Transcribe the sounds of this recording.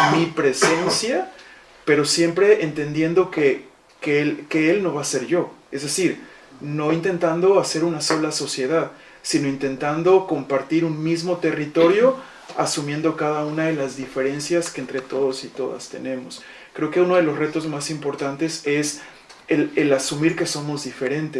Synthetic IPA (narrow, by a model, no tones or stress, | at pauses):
mipɾe̞se̞nsja | pe̞ɾo̞sje̞mpɾe̞ʔent̪e̞nd̪je̞nd̪o̞ke̞ | kelke̞elno̞βase̞ɾʝo̞ezðe̞siɾ | no̞int̪e̞nt̪and̪o̞ase̞ɾunaso̞laso̞sje̞ðað | sino̞int̪e̞nt̪and̪o̞ko̞mpaɾt̪iɾunmizmo̞t̪e̞rit̪o̞ɾjo̞ | asumje̞nd̪o̞kaðaunaðe̞lazðife̞ɾe̞nsjaskeːnt̪ɾe̞t̪o̞ðo̞sit̪o̞ða̰st̪e̞̰nẽ̞mo̞s | kɾe̞oke̞uno̞ð̞e̞lo̞sre̞t̪o̞zmasimpo̞ɾt̪ant̪e̞se̞s | elelasumiɾke̞so̞mo̞zðife̞ɾe̞nt̪e